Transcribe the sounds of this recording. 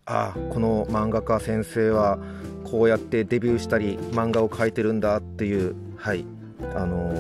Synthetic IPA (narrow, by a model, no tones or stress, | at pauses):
a̰ko̞no̞mãŋɡakasẽ̞ɰ̃se̞ːβa | kʰo̞ːjat̪ːe̞d̪e̞bʲɨːɕi̥t̪aɾʲimãŋɡao̞kʰait̪e̞ɾɯ̟̃nd̪at̪ːe̞jɯ̟ː | hai | ano̞